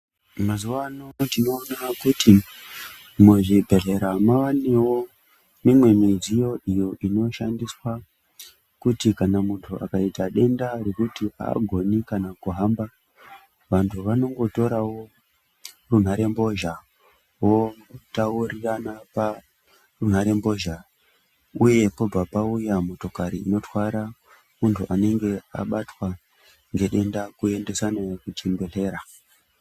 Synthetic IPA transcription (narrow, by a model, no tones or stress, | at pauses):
mazuʋanotino̞ːnakuti | muʐibʱe̞ɮe̞ɾamaʋanewo̞ | mimwe̞mid͡zijo̞ʔijo̞ʔino̞ʃandiswa | kutikanamuntʰuʔa̰kaitaɗe̞ndaɾe̞kutia̰ːɡʱo̞nikanakuɦamba | ʋantʰuʋano̞ŋɡo̞to̞ɾawo̞ | run̤aɾe̞mbo̞ʒa | wo̞tauriranapa | run̤aɾe̞mbo̞ʒa | uje̞po̞b͡vapaujamo̞to̞kaɾiːno̞twaɾa | muntʰuʔane̞ŋɡe̞a̰ɓatwa | ŋɡe̞ɗe̞ndakuende̞sanajekut͡ʃembe̞ɬe̞ːɾa